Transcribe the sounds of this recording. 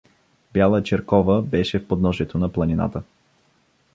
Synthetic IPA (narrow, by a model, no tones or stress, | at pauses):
bʲjalˠət͡ʃɛɾkɔvəbɛʃɛfpod̪nɔʒɛt̪onɐplˠɐnina̰t̪ə